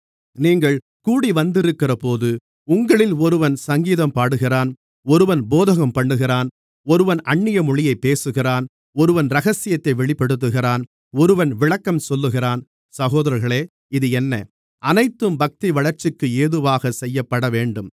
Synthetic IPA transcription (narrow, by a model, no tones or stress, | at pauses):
niːŋɡɐɭ | kuːɽiʋɐnd̪ɪɾɯkːɪrɐpoːðɯ | ʊŋɡɐɭɪlɔɾɯʋɐnsɐŋɡiːðɐmpaːɽɯɣɪraːn | ɔɾɯʋɐnboːðɐɣɐmpɐɳːɯɣɪraːn | ɔɾɯʋɐnɐɳːɪjɐmʊɻɪjɐɪpːeːsɯɣɪraːn | ɔɾɯʋɐnɾɐɣɐsɪjɐt̪ːɐɪʋɛɭɪpːɐɽɯt̪̬ːɯɣɪraːn | ɔɾɯʋɐnʋɪɭɐkːɐmsɔlːɯɣɪraːn | sɐɣoːðɐɾɐɾɣɐɭeː | ɪðɯɛnːɐ | ʔɐnɐɪt̪ːɯmbɐk̚t̪iʋɐɭɐɾt͡ʃːɪkːɯeːðɯʋaːɣɐsɛjːɐpːɐɽɐʋeːɳɖɯm